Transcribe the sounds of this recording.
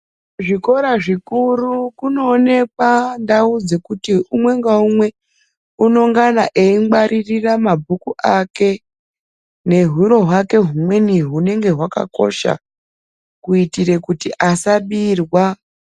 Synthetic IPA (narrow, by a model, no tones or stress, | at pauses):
ʐiko̞ɾaʐikurukuno̞ːne̞kwandaud͡ze̞kutiumwe̞ŋɡaumwe̞ | uno̞ŋɡanaʔeimɡ͡baɾʔiriramabʱukuʔake̞ | ne̞ɦwuɾo̞ɦwake̞ɦumwe̞niɦune̞ŋɡe̞ɦwaka̰ko̞̰ʃa̰ | kuitiɾe̞kutiʔasaɓirwa